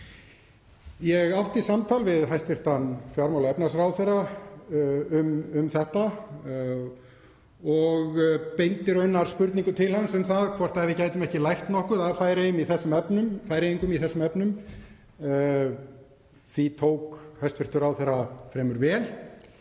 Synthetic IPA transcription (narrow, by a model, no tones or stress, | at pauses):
jɛɣawht̪isamt̪ʰalvɪðɦajst̪vɪr̥t̪anfjaɾmawlaɛpnasrawθera | ʏmʏmθɛht̪a | ɔɣpejnt̪ɪɾœɥnːaɾ̥spʏɾt̪niŋkʏt̪ʰɪlhansʏmθaðkʰvɔr̥t̪aɛvɪðcaːjt̪ʏmɛhcɪlajr̥t̪nɔhkʏðaðfaːjɾeɪmiθɛsːʏmɛpnʏmfaːjɾejiŋkʏmiθɛsːʏmɛpnʏm | θit̪ʰoːwkhajst̪fɪr̥t̪ʏɾaːwθeɾafɾɛːmʏɾvɛːl